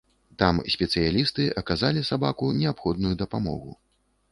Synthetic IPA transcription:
t̪amsʲpʲɛt̪sɨjalʲist̪ɨʔɐkazalʲisabakunʲɛapxɔd̪nujud̪ɐpamɔ̰ɣṵ

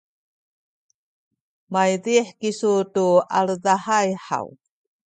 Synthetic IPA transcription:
majðiħkisutualðahajħa̰w

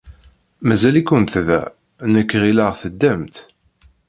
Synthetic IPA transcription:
mæzælikːənt̪ðæ̰ | nəkːʁilaʁθəd̪ːæmt̪

